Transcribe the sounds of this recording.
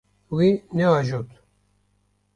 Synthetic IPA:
winɛaʒot̪

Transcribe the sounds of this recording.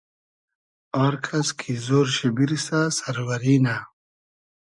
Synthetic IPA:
aɾkʰaskʰizoːɾɕebiɾisasaɾwɐɾina

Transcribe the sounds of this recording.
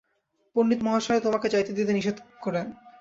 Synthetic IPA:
ponːit̪mɔɦaʃoɾet̪omaked͡ʑajt̪ed̪it̪eniʃed̪koɾen

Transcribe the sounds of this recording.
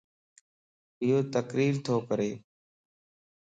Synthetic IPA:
ɪjoːt̪əkɾiːɾt̪ʰoːkəɾeː

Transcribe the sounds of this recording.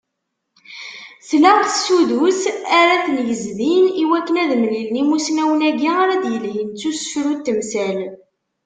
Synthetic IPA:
slæʁθsuðusæɾæθnjəzðiniwækːənæðmlilnimusnæwnæɡiaɾæd̪jəlɦint͡sːusə̥fɾut̪ːəmsæn

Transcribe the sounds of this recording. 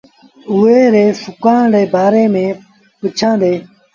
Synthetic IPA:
uːeːɾeːfʊkãːɳɽeːbaːɾeːmẽː | pət͡ʃʰãːd̪eː

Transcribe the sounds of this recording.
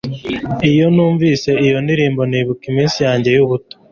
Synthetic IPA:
ijo̞nuːɱviːse̞ijo̞ndiɾiːmbo̞niːβukimiːnsijaːɲɟe̞juβuto̥

